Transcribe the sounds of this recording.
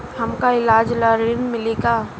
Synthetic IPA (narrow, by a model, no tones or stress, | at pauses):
hɐmkaɪlaːd͡ʒlaɾɪnmɪleːɡaː